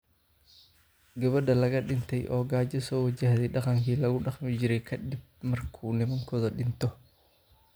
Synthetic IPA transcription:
ɡɐβɐd̪ɐlɐɣɐɗɪnt̪ʰɛjʔɔːɡaːd͡ʒɐsɔːwɐd͡ʒahðɛjɗɑqɑŋkʰiːlɐɣʊɗɑχmɪd͡ʒɪɾɛjkʰɐd̪ɪb̚mɐrkʰunɪmɐŋkʰɔðɔɗɪnt̪ʰɔ

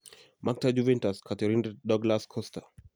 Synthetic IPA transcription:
mak̚tad͡ʒuvɛ̃ntaskʰateɾinddɔɡlaskʰɔsta

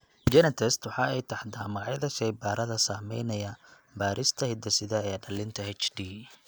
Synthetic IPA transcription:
d͡ʒɛnɐt̪ʰɛst̪wɑħɑːɛjt̪ʰɐħd̪aːmɑɣɑʕjɐðɐʃɐjbaːɾɐðɐsaːmɛjnɐjɐ | baːɾʔɪst̪ʰɐhɪd̪ɐsɪðɐɛːɖɐlɪnt̪ʰɐhɛt͡ʃdiː

